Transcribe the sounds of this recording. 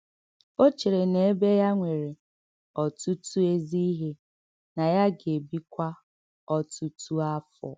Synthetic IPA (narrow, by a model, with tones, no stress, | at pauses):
o˦t͡ʃi˨ɾe˨ne˨e˦be˦ja˦ŋʷe˨ɾe˨ | ɔ˨tu˦tu˦e˦zi˦i˦ɦe˦ | na˨ja˦ɡe˨bi˦kʷa˦ | ɔ˦tu˦tu˦a˦fɔ̰˨